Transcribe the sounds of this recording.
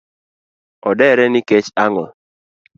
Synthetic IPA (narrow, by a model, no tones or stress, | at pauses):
ɔdɛɾɛnɪkɛt͡ʃaŋɔl